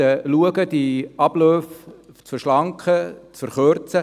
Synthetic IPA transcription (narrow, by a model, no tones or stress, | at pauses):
əluəɡəd̥iɑb̥lœːft͡səʃlɑŋkχət͡sfəɾχøɾt͡sə